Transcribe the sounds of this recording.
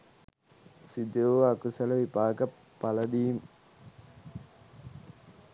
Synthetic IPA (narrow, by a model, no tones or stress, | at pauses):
sid̪oʋakusɐlɐʋipaːɡɐpːalɐd̪iːm